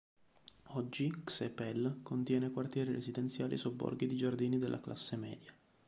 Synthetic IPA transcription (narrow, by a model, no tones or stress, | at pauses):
ɔd͡ʒːiksepɛlkont̪jɛːnekwart̪jɛːɾiɾezid̪ɛnt̪sjaːlʔḭsobːɔ̰rɡid̪id͡ʒard̪iːnid̪elʔa̰klʔa̰sːemɛːd̪ja